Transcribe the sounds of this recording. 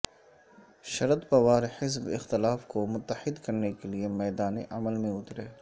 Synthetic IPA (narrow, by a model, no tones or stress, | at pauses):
ʃɐɾət̪pɐʋaːɾeħɪs̬bɪ̰xt̪ɪlaːfkomʊt̪ːəħɪd̪kɐɾnekeliemɛːd̪aːneʔɐməlmẽʊt̪ɾɛː